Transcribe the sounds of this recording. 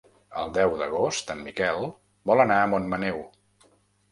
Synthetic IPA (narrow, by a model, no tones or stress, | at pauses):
ə̰lˠd̪ɛwd̪əɣ̞ost̪əmːikɛlˠ | bɔlənaəmonmənɛw